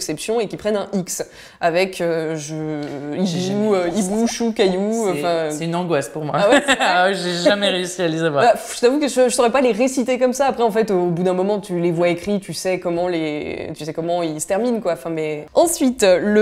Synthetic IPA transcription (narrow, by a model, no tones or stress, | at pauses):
ksɛpsjɔ̃ekʲipχɛnɛ̃iks | avɛkʰøʒəibuøibuʃukajuɑ̃fɛ̃ɛynɑ̃ɡwaspuʁmwaawɛsaɛʒeʒamɛʁeysialezavwaʁbafʒət̪avukəʒəʒəsəʁɛpaleʁesit̪ekɔmsaːpχɛɑ̃fɛt̪obud̪ɛ̃mɔmɑ̃t̪ylevwaekχit̪ysɛkɔmɑ̃let̪ysɛkɔmɑ̃ilsə̥t̪ɛʁminkwaɑ̃fɛ̃mɛɑ̃sɥit̪lə